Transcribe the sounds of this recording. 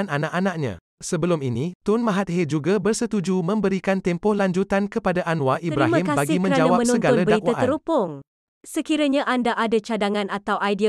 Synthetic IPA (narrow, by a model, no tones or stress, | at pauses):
ananaʔanãʔ̚ɲã̰ | səbəlʊminit̪ʊnmãɦat̪̚hed͡ʒuɡabərsət̪ud͡ʒumə̃mbəɾikant̪ɛmpɔhlaɲd͡ʒut̪ankəpadaʔanwaʔibɾaɦimkabaɡimə̃ɲɾad͡ʒawamə̃nsũsənɡalabədaitw̪aəɾupʊŋ | səkiɾaɲãʔandaʔadat͡ʃadaŋãnat̪awʔajdi